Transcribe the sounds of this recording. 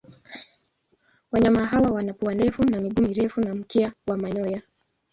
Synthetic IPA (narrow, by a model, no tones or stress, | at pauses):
waɲamaɦawawanapuandɛfunamiɠumiɾɛfunam̩kiawamaɲɔja